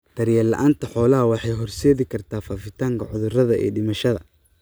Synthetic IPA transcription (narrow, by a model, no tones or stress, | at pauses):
d̪̥ɐɾjɛːlɐ̰ʔaːnt̪ʰɐħɔːlɐɦɐwɑħɑjɦɔrsɛːðɪkʰɐrt̪ʰaːfaːfɪt̪ʰaːŋkʰɐʕʊðʊrɐðɐʔɛ̰ːɖɪmɐʃɐðɐ